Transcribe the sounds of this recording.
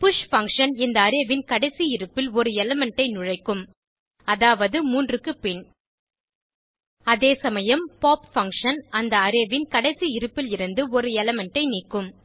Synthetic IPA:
pʊʂfɐŋkʂɐnɪnd̪ɐːɾeʋɪnkɐɽɐɪsiɪɾɯpːɪlɔɾɯɛlɛmɛɳʈɐɪnʊɻɐɪkːɯm | ɐðaːʋɐðɯmuːndrɯkːɯpɪɳ | ɐðeːsɐmɐjɐmpaːpfɐŋkʂɐnɐnd̪ɐːɾeːʋɪnkɐɽɐɪsiɪɾɯpːɪlɪɾɯnd̪ɯɔɾɯɛlɛmɛɳʈːɐɪniːkːɯm

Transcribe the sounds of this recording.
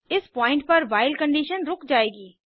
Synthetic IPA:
ɪspɔːɪ̃ɳʈ̚pɐɾʋaːɪlkə̃ɳɖiːʃənɾʊkʰd͡ʒaːeːɡiː

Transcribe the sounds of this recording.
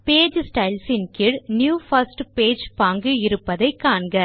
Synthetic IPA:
peːd͡ʒsʈɐɪlsɪnkɪɭnjuːfɐsʈpeːd͡ʒpaːŋɡɯɪɾɯpːɐðɐɪkːaːɳɡɐ

